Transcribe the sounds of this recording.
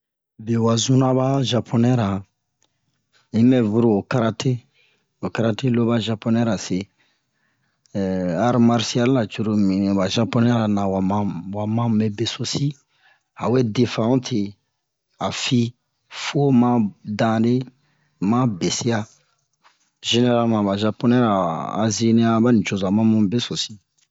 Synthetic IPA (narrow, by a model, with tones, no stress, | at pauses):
be˨wa˨zũ˦na˦ba˦ʒa˨pʰo˦nɛ˦ɾa˨ | ĩ˦mɛ˦vu˦ɾo˨o˨ka˦ɾa˦tʰe˦ | o˨ka˦ɾa˦te˦lo˦ba˦ʒa˨po˦nɛ˦ɾa˨se˨ | a˦ɾma˦ɾsi˦a˦lːa˨t͡ʃu˨ɾo˨mĩ˨ñ˨ba˨ʒa˦pɔ˦nɛ˦ɾa˨nã˨wa˨mã˦wa˨mã˦˨bɛ˦be˨so˦si˦ | a˨we˦de˨fã˨ũ˦tʰe˨ | a˨fi˦ | fo˦mã˦dã˨de˦ | mã˦be˨si˦a˦ | ʒe˨ne˦ɾa˦lmã˨ba˨ʒa˧po˦nɛ˦ɾa̰ː˨zi˦nĩ˦a˦ba˦nĩ˨t͡ʃo˨za˨mã˦mũ˦be˦so˨si˦